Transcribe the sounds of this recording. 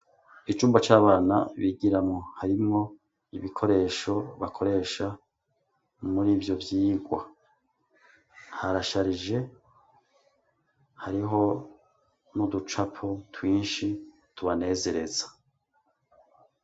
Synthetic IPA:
it͡ʃuːmbat͡ʃaːβaːna̰βiɡiɾamŋo̞haɾimŋo̞ | iβikʰo̞ɾe̞ʃo̞βakʰo̞ɾe̞ːʃa | muɾiːvjo̞vjiːɡwa | haɾaʃaɾiʒe̞ | haɾiɦo̞ | nudut͡ʃapʰotwiːnʃi | tuβane̞ːze̞ɾe̞zḁ

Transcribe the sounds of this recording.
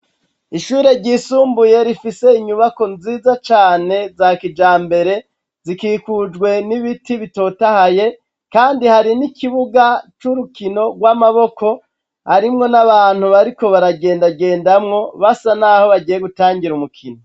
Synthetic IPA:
iʃuːɾe̞ɾɟiːsuːmbuje̞ɾifise̞iɲuβako̞nziːzat͡ʃaːne̞zakid͡ʒaːmbe̞ɾe̞ | zikiːkud͡ʒɡwe̞niβitiβito̞tahaje | kaːndihaɾinikiβuɡat͡ʃuɾukino̞ɡwamaβo̞ko̞ | haɾimŋo̞naβaːn̥huβaɾiko̞βaɾaɡe̞ːndaɡe̞ːndamŋo̞βasanaːho̞βaɟijeɡutaːŋɡiɾumukʰino

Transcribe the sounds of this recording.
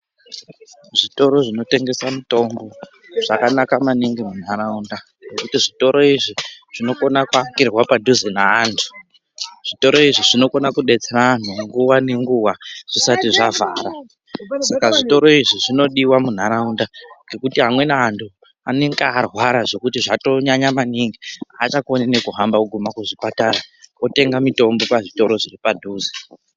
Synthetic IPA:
ʐito̞ɾo̞ʐino̞te̞ŋɡe̞samito̞mbo̞ | ʐ̥akanakamaniŋɡemun̤aɾaunda | ŋɡe̞kutiʐito̞ɾʔo̞iʐiʐ̥ino̞ko̞nakuaŋɡirwapadʱuzinaantʰu̥ | ʐ̥ito̞ɾo̞iʐiʐino̞ko̞nakuɗet͡seran̤uŋɡuwane̞ŋɡuwaʐ̥isatiʐavaːɾa | sakaʐito̞ɾo̞iʐiʐino̞ɗiwamun̤aɾaundaŋɡe̞kutiɦamwe̞naːntʰu | aneŋkaːrwaɾaʐo̞kutiʐato̞ɲaɲamaniŋɡiat͡ʃakonanekuɦambauɡʱumakuʐipataɾaote̞ŋɡamito̞mbo̞paʐito̞ɾo̞ʐiripadʱuːze

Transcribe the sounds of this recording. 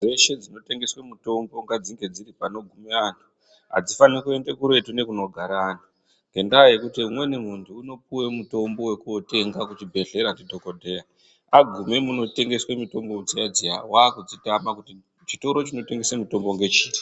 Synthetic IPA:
eʃe̞d͡zino̞te̞ŋɡe̞swemuto̞mbo̞ŋɡad͡ziŋɡe̞d͡ziripano̞ɡʱumeantʰu̥ | ɦa̰d͡zifanikue̞nde̞kuɾe̞tune̞kuno̞ɡʱaɾaːntʰu̥ | ŋɡe̞ndaːjekutiumwe̞nimuntʰuːno̞piwe̞muto̞mbo̞we̞kuote̞ŋɡakut͡ʃibʱe̞ɮe̞ɾatidʱo̞kodʱe̞ja | aɡʱumemuno̞te̞ŋɡe̞swemito̞mbo̞ud͡zijad͡zia̰waːkud͡zitamakuti | t͡ʃito̞ɾo̞t͡ʃino̞te̞ŋɡe̞semito̞mbo̞ŋɡe̞t͡ʃiːri

